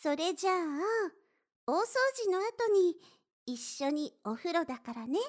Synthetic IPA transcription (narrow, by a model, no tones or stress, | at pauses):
so̞ɾe̞ʑaː | oːso̞ːʑino̞at̪o̞ɲ̟iː | ɕːo̞ɲ̟io̞ɸɯ̟ɾo̞d̪akaɾane̞